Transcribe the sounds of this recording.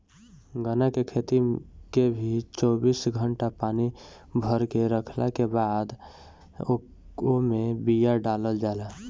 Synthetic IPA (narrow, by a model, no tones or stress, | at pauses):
ɡənakekʰet̪ikebʱit͡ʃɔːbiːsɡʱəɳʈapaːni | bʱəɾkeɾəkʰlakebaːd̪ | omẽbijaɖaːləld͡ʒaːla